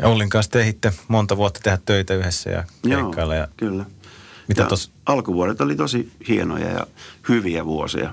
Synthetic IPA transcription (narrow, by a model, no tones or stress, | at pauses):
jɑ̰olːiŋkɑ̃ːst̪ehit̪ːemont̪ɑʋuot̪ːɑ̥t̪ehæt̪t̪øit̪æyhesːæ̰jɑ̰keoiːkːɑlːɑjɑ̰kylːæmit̪æ̰t̪os | ʔɑlkuʋuoɾet̪olit̪osihieno̰jɑ̰jɑ̰hyʋiæʋuosḭɑ